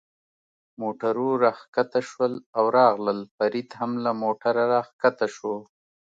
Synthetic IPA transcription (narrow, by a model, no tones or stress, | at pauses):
moʈaɾuɾɑxkat̪aʃwəlawɾɑɣləlfaɾid̪hamlamoʈaɾaɾɑxkat̪aʃwo